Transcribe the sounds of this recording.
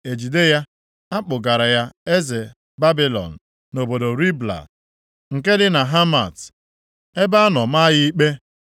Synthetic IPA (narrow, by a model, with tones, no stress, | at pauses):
e˨d͡ʒi˨de˦ja˦ | a˦k͡pʊ˨ɡa˨ɾa˨ja˦e˦ze˨ | ba˦bi˦lɔ̰˨n̩˨ | no˨bo˨do˨ɾi˦bla̰˨ | ŋ̩˨ke˦dɪ˦na˨ɦa˦ma̰˨t | e˦ba˦a˦nɔ˨ma˦jɪ˦i˦k͡pe˦